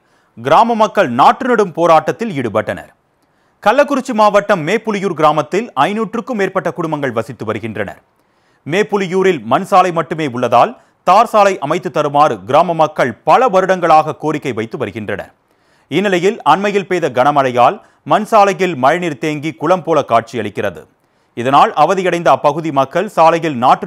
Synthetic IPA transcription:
ɡɪɾaːmɐmɐkːɐɭnaːʈrɯnɐɽɯmpoːɾaːʈːɐt̪ːɪlɪɽɯpɐʈːɐnɐ̰ɾ | kɐlːɐkːʊɾɪt͡ʃːimaːʋɐʈːɐmːeːpːʊlɪjuːɾɡɪɾaːmɐt̪ːɪlɐɪnuːʈrɯkːɯmeːrpɐʈːɐkʊɽʊmbɐŋɡɐɭʋɐsɪt̪ːɯʋɐɾɯɣɪndrɐnɐ̰ɾ | meːpːʊlɪjuːɾɪlmɐnsaːlɐɪmɐʈːɯmeːʊɭːɐðaːl | t̪aːɾsaːlɐɪʔɐmɐɪt̪ːɯt̪ːɐɾɯmaːɾɯɡɪɾaːmɐmɐkːɐɭpɐlɐʋɐɾɯɽɐŋɡɐɭaːɣɐkoːɾɪkːɐɪʋɐɪt̪ːɯʋɐɾɯɣɪndrɐ̰nɐ̰ɾ | ɪnːɪlɐjɪlɐnmɐjɪlpeːðɐɡɐnɐmɐɻɐjaːl | mɐnsaːlɐjɪlmɐɻniɾt̪eːŋɡikʊɭɐmpoːlɐkaːʈ̚t͡ʃijɐɭɪkːɪrɐðɯ̰ | ɪðɐnaːlʔɐʋɐðɪjɐɽɐɪnd̪ɐpɐɣɯðimɐkːɐɭsaːlɐjɪlnaːʈːɯ

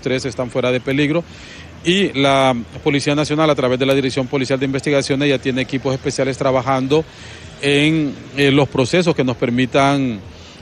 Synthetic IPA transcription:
t̪ɾe̞se̞st̪aɱfwe̞ɾaðe̞pe̞liɣɾo̞ | ilapo̞lisianasjo̞nalat̪ɾaβe̞zðe̞laðiɾeksjo̞mpo̞lisjald̪eimbe̞st̪iɣasjo̞nezʝat̪je̞ne̞ːkipo̞se̞spe̞sjale̞st̪ɾaβaxand̪o̞ | eŋ | lo̞spɾo̞se̞s̬o̞ske̞no̞spe̞ɾmit̪aŋ

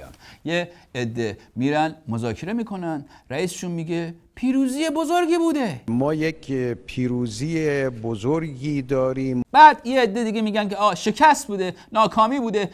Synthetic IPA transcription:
æ̰mjeːd̪ːemiːɾænd̪mozɒːkʰe̞ɾe̞miːkʰo̞nænd̪ɾæiːse̥ʃunmiːɡepʰiːɾuːziːjebozoɾɡiːbuːd̪emɒːjekʰpʰiːɾuːzijebozoɾɡiːd̪ɒːɾimb̥æːd̪jeːd̪ːe̞d̪iɡemiːɟʲænkʰeɒːʃe̞kʰæst̪̚buːd̪e | nɒːkʰɒːmiːbuːd̪e

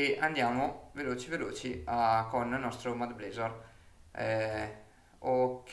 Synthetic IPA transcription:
eʔand̪jaːmoveloːt͡ʃiveloːt͡ʃiakonnːɔst̪ɾomad̪bleːzor | ɛ | ok

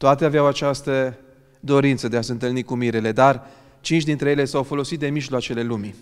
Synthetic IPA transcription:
t̪oat̪eaveawat͡ʃast̪ə | d̪o̞ɾint̪səd̪e̞aseɨnt̪ɨlnikumiɾele̞d̪ar | t͡ʃint͡ʃʲd̪int̪ɾe̞jele̞sawfo̞lo̞sit̪̚d̪e̞miʒloat͡ʃe̞le̞lumi

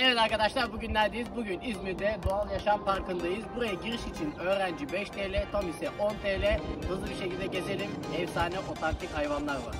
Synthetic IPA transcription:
neved̪aɾkad̪aʃlˠaɾbuɟynlʲæɾd̪iːizbuɟynizmiɾd̪ɛd̪oalˠjaʃampaɾkɯnd̪ajɯzbuɾajaɟiɾiʃit͡ʃʰinø̞ːɾænd͡ʒibɛʃt̪ʰeːlʲɛt̪ʰomisɛʔo̞nt̪ʰeːlʲɛhɯzlˠɯbiɾʃe̞cʰilʲd̪ɛɟe̞ze̞lʲimɛvsaːnɛʔo̞t̪ʰant̪ʰichajvanlˠaɾva̰ɾ

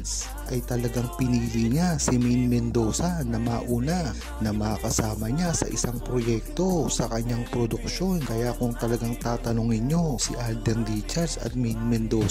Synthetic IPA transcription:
s | ʔɐjt̪ɐlɐɡaŋpɪniːliɲasɪminmɛnd̪o̞sɐnɐmɐaʔuːna | nɐmɐakɐsaːmɐɲasɐ̰ʔɪ̰saŋpɾojɛk̚t̪o̞sɐkɐɲːaŋpɾod̪ʊk̚ʃo̞nkɐjakʊŋt̪ɐlɐɡaŋt̪aːt̪ɐnoŋɪɲjo̞sɪʔald̪ɛndit͡ʃɛɾsɐ̰t̪̚minmɛnd̪oː

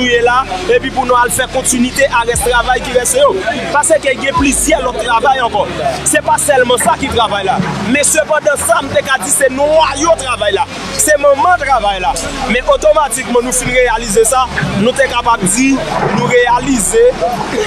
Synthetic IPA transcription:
uelaepɥĩpunũalfɛkɔ̃tynwit̪eʔaʁɛst̪ʁavajkivɛsejopasekeɡɛ̃plizjɛlɔt̪ːʁavajɑ̃kɔsɛpasɛlmɑ̃sakit̪ɣavajlamɛ̃søpɑ̃d̪ɑ̃samũt̪ekad͡zisenɔ̃ajot̪ʁavajla | semɔ̃mãt̪ʁavajlamɛ̃ʔot̪omatikmɑ̃nũfĩnʁealizesanũt̪ekapab̚d͡zinũʁealize

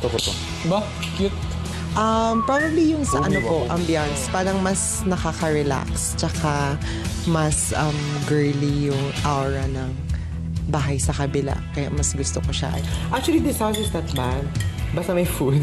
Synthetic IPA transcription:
t̪okot̪o | bɐ | kjʊt̪̚ | ʔɐmpɹabɐblijʊŋsɐʔɐnopoʔɐmbjanspaːɾɐŋmɐs | nɐkakɐɹɛla̰kst͡ʃɐka | mɐsʔɐmɡɛɹlijʊŋʔawɹɐnɐŋ | baːɦɐjsɐkɐbɪla̰kɐja̰ʔmɐsɡʊst̪okoʃa̰ʔɐ̰jʔak̚t͡ʃʊɐlid̪ɪshawsɪsd̪ɐt̪̚manbast̪ɐmɐjfud̪̚

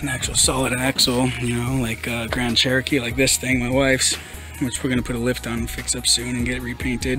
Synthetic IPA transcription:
ɨ̃næk̚t͡ʃul̩ˠsɑlˠəɾɨ̃næksl̩ˠjɨnoʊlaɪkʰʌɡɹæ̃nt͡ʃʰɛɹɨkʰilaɪk̚ðɪsθɪ̃ŋmaɪwaɪfs | wɨt͡ʃwə˞ɡʌñəpʰʊɾəlɪftn̩n̩fɪksʌpsʉ̃nɨ̃nɡɛt̚ɹipʰẽɪ̃ntɪd̥̚

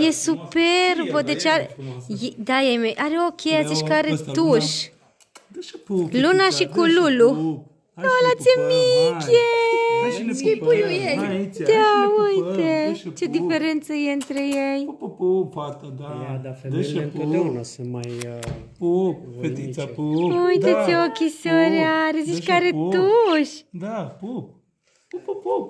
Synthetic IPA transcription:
jesuperbod̪et͡ʃaɾjd̪ajemeʔaɾeokʲʰeaziʃkəaɾet̪uʃ | lunaʃikululu | nolat̪sjemikʲe | ipujujejd̪aujt̪et͡ʃed̪ifeɾent̪səjeɨnt̪ɾejej | t̪ad̪afeenlunasemaj | pfei | ujt̪et͡ʃeokʲisoɾeaɾezit͡ʃkaɾet̪uʃd̪a | pp

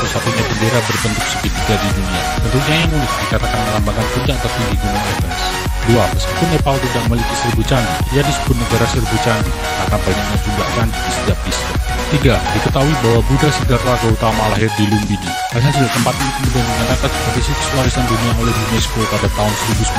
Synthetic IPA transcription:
usat̪uɲabəndeɾabərbənt̪ʊk̚sə̥kit̪̚uɡadiduniat̪ənt̪uk̚ɲajaŋunɪt̪̚dikat̪akanməlambak̪anput͡ʃat̪at̪iŋɡiɡumɛnafəns | duaməskipʊnːepalt̪idaʔməlik̪isərbut͡ʃanḭjanisə̥bʊt̪̚nəɡaɾasərbut͡ʃani | kakabaiɲak̚ɲad͡ʒuŋɡaʔjanidisət̪iap̚disər | t̪iɡadikət̪auibawabudasədarːaɡaut̪amalaɦɪrdilumbini | asasudaʔt̪əmpat̪̚ɲaik̪umudanbəŋanakansəpad̪isit̪u̥swaɾisanduniaulɛhdunɛskopadat̪aɦʊnsəɾibus

